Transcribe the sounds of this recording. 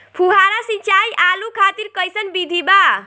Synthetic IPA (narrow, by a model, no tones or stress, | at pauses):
pʰuɦaɾasĩt͡ʃajʔalukʰat̪iɾkəjsənbid̪ʱiba